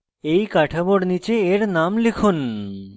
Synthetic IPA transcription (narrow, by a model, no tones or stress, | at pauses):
ejkaʈʰaboɾnit͡ɕeːɾnamlikʰun